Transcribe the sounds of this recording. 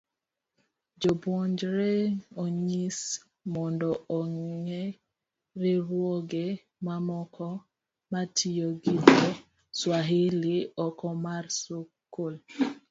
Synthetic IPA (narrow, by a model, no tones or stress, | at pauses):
d͡ʒobɔɲd͡ʒɾeoɲis | mɔndɔɔŋe | ɾiɾwɔɡe | mamɔkʰɔ | matʰijoɡite | swaɦiliɔkɔmarsokːol